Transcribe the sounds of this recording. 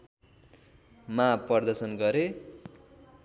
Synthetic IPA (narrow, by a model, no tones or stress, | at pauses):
mapʌrd̪ʌsʌnɡʌɾe